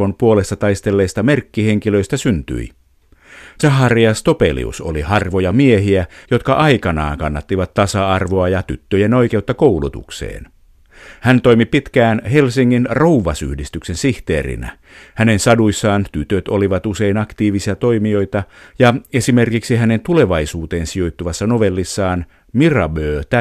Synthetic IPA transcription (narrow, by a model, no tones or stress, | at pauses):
o̞mpuolest̪ɑt̪ɑist̪e̞lːeːst̪ɑme̞rkːihe̞ŋkiløist̪æsynt̪y̰i | sɑɦɑriɑst̪o̞pḛlḭṵso̰lihɑrʋojɑmieɦiæjo̞t̪kɑʔɑikɑnɑ̰ːŋkɑnːɑt̪ːiʋɑt̪t̪ːɑsɑɑrʋoɑjɑt̪yt̪ːøjeno̞ike̞ut̪ːɑkowlut̪ṵksḛːn | hænt̪o̞imipit̪kæːnhe̞lsiŋːinrouʋɑsy̰hdist̪yksensiht̪eːrḭnæ̰ | hænensɑduisːɑːnt̪yt̪øt̪oliʋɑt̪use̞inɑkt̪iːʋisiɑt̪oimio̞it̪ɑjɑesimerkiksihæne̞nt̪ule̞ʋɑisuːt̪eːnsio̞it̪ːuʋɑsːɑno̞ʋelːisːɑːn | mirɑ̰bøːt̪æ